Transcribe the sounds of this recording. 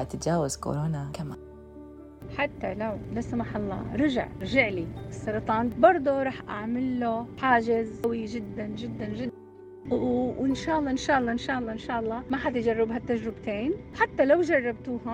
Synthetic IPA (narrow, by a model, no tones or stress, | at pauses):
at̪ɪt̪d͡ʒaːwazko̰ɾoːnakamaː | ħat̪ːalawlasamaːħɑlˤːɑ̰ːɾˤɑʒa̰ʕɾʒɪʕlisːɑɾˤɑt̪ˤɑːnbɑɾˤd̪ˤuɾˤɑːħʔa̰ʕmɪlːoħaːd͡ʒɪzwid͡ʒɪd̪ːand͡ʒɪd̪ːand͡ʒɪd̪ːa | ɪnʃaːʔɑlˤːɑːʔɪnʃaːʔɑlˤːɑːʔɪnʃaːʔɑlˤːɑʔɪnʃaːʔɑlˤːɑːmaħat̪ɪd͡ʒarˤːɪbɦat̪ːaʒɾɪbt̪eːnwħat̪ːalawd͡ʒɑrˤːɑb̚t̪uːha